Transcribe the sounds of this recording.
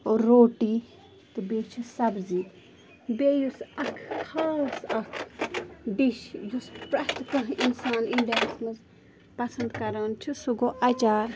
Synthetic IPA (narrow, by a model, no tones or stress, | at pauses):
oːɾːoːʈiː | t̪ɨbeːt͡ʃʰusɐbzi | beːjusɐkʰkʰaːsɐkʰ | ɖiʃjuspɾɐt̪kɐɦinsaːniɳɖensmɐz | pɐsɐnd̪kɐɾant͡ʃʰusuɡoːʔɐt͡ʃaːɾ